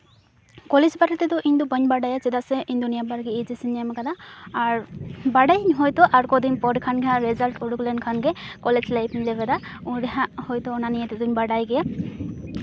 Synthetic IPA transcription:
kɔled͡ʒbaɾit̪ɛd̪ɔʔind̪ubəɲbaɖajat͡ʃɛd̪asɛʔind̪unijabaɾɡɛid͡ʒisiɲamakad̪aːɾbaɖajɲɦɔjt̪ɔʔaɾkɔd̪iɲpɔɖkʰanɡɛɦãɾɛzalʈuɽuklɛnkʰanɡɛkɔled͡ʒlajpnilɛbɛd̪auɽɛɦãhɔjt̪ɔːnanijɛt̪ɛd̪uɲbaɖajɡɛja

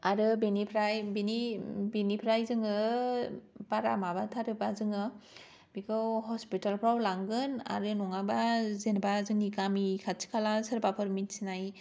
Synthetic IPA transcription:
aɾɯbenipʰɾajbinibenipʰɾajzɯŋɯ | baɾamabatʰaɾɯbazɯŋɯ | bikɯwhɔspitalpʰɾawlaŋɡɯna̰ɾɯnɔŋabazenbazɯŋikamikʰat͡ʃʰi̥kʰalasɯɾbapʰɯɾmitsinaj

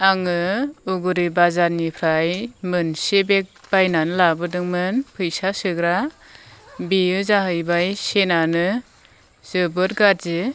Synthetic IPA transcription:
aŋɯuɡɯɾibazaɾnipʰɾajmɯnsebek̚b̥ajnanɯlabɯdɯŋmɯnpʰɯjsasɯɡɾa | biɯzaɦɯjbajsenanɯ | z̥ɯbɯɾ̚ɡat̚zɯ

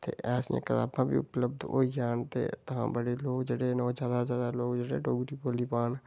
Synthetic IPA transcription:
t̪ʰḛʔɛːsjḛ̃kət̪a̰ːbãbʱḭʊpləbd̪o̰id͡ʒaːnt̪ḛt̪ɐɦã̰bəɽeloːɡd͡ʒəɽenːd͡ʒaːd̪azjaːd̪aloːɡd͡ʒəɽeɖoːɡɾipoːlipaːn

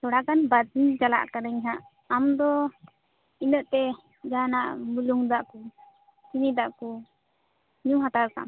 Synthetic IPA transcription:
t̪ɔɽakanbad̪iɲt͡ʃala̰ʔkanaɲɦaʔ | amd̪ɔ | inəʔt̪ɛ | d͡ʒanaʔmuluŋd̪aʔku | t͡ʃinid̪aʔku | ɲuɦat̪aɾka̰

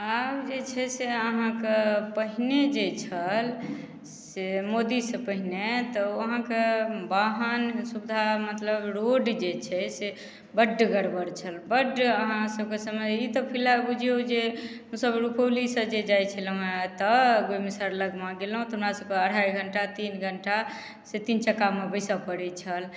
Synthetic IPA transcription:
abd͡ʒet͡ʃʰɛseəɦãkepəɦined͡ʒet͡ʃʰəl | semod̪isə̃pəɦinet̪ɔəɦãkebaɦənsubd̪ʱamət̪ləbɾoɖd͡ʒet͡ʃʰɛse | bəɖːɡəɽbəɽt͡ʃʰəlbəɖəɦãsəb̚kesəmeit̪ɔpʰilabud͡ʒʱeud͡ʒe | ɦũsəbɾupʰowlisəd͡ʒed͡ʒajt͡ʃʰəlɦẽt̪əɡomisəɾləɡmãɡelɦũt̪ɔɦunɾasəb̚keəɽ̤ajɡʱəɳʈat̪inɡʱəɳʈa | set̪int͡ʃəkamebəjsapəɽɛt͡ʃʰəl

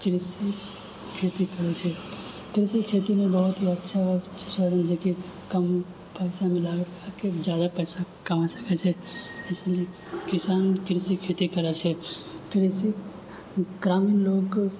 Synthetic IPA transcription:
kɾɪsi | kʰeːt̪ikɐɾet͡ʃʰɛ | kɾɪsikʰeːt̪imẽbəɦʊt̪ɦiɐtːʃʰaɔɾt͡ʃʰesaːd̪ənd͡ʒekikəm | pɛːsamẽlaːɡt̪aked͡ʒjaːd̪apɛːsakɐmasɐ̥ket͡ʃʰɛɪsle | kɪsaːnkɾɪsikʰeːt̪ikɐɾet͡ʃʰɛkɾisi | ɡɾaːmiːnloːɡ

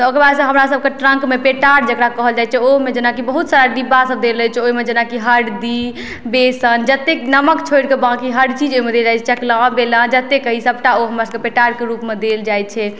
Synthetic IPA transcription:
t̪ɔokɾebasə̃ɦəmɾasəb̚keʈɾə̃ŋkmepeʈaɽd͡ʒekɾakəɦəld͡ʒajt͡ʃʰɛoɦmed͡ʒenakibəɦut̪saɾad̪ibːasəb̚d̪eləɦɛt͡ʃʰɛoimed͡ʒənakiɦəɽd̪i | besənd͡ʒət̪ːenəməkt͡ʃʰoiɽkebãkiɦəɖt͡ʃid͡ʒoimed̪eld͡ʒajt͡ʃʰɛt͡ʃəklãbelãd͡ʒət̪ːekəɦisəbʈaoɦəmɾasəbepeʈaɽkeɾupmed̪eld͡ʒajt͡ʃʰɛ

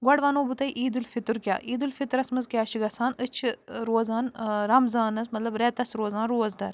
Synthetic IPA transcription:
ɡwɐɽʋanoːbut̪ɐiʔiːd̪ɨlfit̪ɨɾkʲja̰ːʔiːd̪ɨlfit̪ɾɐsmɐzkʲjaːt͡ʃʰiɡɐsaːnɨt͡ʃʰɾoːzaːnɾɐmzaːnɐsmɐt̪lɐbɾɛːt̪ɐsɾoːzaːnɾuːɐzd̪ɐ̰ɾ

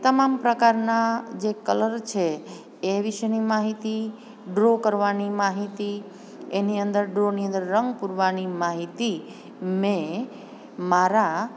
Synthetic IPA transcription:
t̪əmampɾəkaɾnad͡ʒekələɾt͡ʃʰeː | ʋɪʃənimaɦit̪i | ɖɾokəɾʋanimaɦit̪i | eniənd̪əɾɖɾoniə̃nd̪əɾːəŋɡpuɾʋanimaɦit̪i | mẽ | maɾa

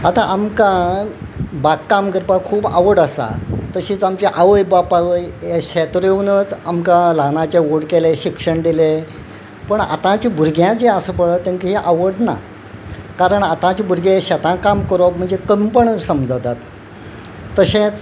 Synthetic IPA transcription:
at̪aʔamkã | bakːamɡəɾpakʰuːba̰ʋəɽəsa̰t̪əɕĩːt͡samt͡ɕeʔaʋəjbapaʋəjeɕɛt̪ɾeʋnət͡samkãlanat͡ɕeoɽkeleɕikʂəɳd̪ile | pəɳa̰t̪ãt͡ɕibʱuɾɡʱjãd͡ʑeəsəpəɭət̪ẽŋkiɦeʔaʋəɽna̰ | kaɾəɳat̪ãt͡ɕibʱuɾɡeɕɛt̪ãkamkəɾom̤əɳd͡zekəmpəɳsəmd͡zət̪at̪ː | əɕẽt͡s

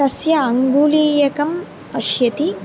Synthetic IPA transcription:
ɐsjɐɐŋɡuːliːjɐkɐm | pɐʃjɐt̪i

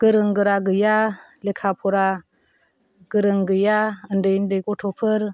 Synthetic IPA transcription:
ɡ̥əɾɯŋɡɯɾaɡɯjalekʰapʰuɾa | ɡ̥əɾɯŋɡɯjaəndəjndəjkʼotʰopʰəɾ

